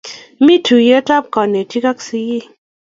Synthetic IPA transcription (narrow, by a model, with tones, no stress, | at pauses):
mi˦tʰu˨je˦ta˦p̚kɔ˨ne˨ti˦ka˦ksi˧˨ji˦˨